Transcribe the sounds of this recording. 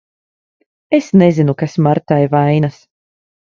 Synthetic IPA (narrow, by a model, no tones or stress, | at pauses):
esnɛzinukasmaɾt̪ajvajnas